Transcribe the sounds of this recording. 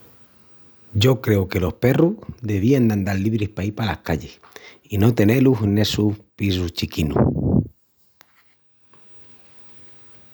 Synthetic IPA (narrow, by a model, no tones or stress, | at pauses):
ɟ͡ʝo̞kɾe̞oke̞lo̞hpe̞ruhd̪e̞β̞iand̪and̪alliβ̞ɾihpaipalahkaʎe̞s | ino̞t̪e̞neluɦne̞suhpis̬uht͡ʃikinṵ